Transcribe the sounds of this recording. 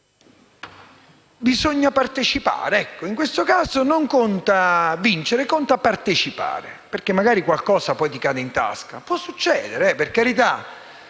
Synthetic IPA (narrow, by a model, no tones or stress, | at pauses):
bizoɲːapart̪et͡ʃipa̰ːɾeɛkːoiŋkwest̪okaːzonoŋkont̪avint͡ʃeɾekont̪apːart̪et͡ʃipa̰ːɾeperkːemːaɡaːɾikwalkɔːsapɔjt̪ikaːd̪eint̪a̰ska̰pwɔsːut͡ʃːɛːd̪eɾeɛperkaɾit̪a